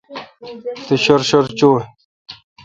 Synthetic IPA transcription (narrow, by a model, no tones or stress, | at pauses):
t̪eɕoɾɕoɾt͡ɕo